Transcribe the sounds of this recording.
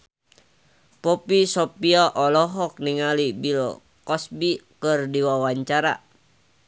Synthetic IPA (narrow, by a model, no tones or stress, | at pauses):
pɔpisɔpiaʔɔlɔɦɔk̚niŋalibilɔ̰ | kɔsbikɨrdiwawaɲt͡ʃaɾa̰